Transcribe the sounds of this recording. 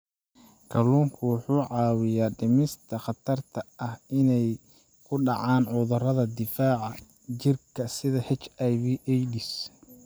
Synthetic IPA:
kʰɐluːŋkʰʊwʊħuːʕɑːwɪjaːɖɪmɪst̪ʰɐχɑt̪ʰɐrt̪ʰɐʔɐhɪnɛj | kʰʊɖɑʕɑːnʕʊðʊrɐðɐd̪ɪfaːʕɑ | t͡ʃɪrkʰɐsɪðɐħɛt͡ʃɐjβiʔɛjɖɪs

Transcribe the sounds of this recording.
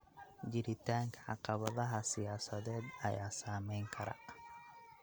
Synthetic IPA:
d͡ʒɪɾɪt̪aːŋkʰɐʕɑ̰qɑβɐðɐɦɐsɪjaːsɐðɛːd̪ɐ̰jaːsaːmɛːŋkʰɐɾɐ̰

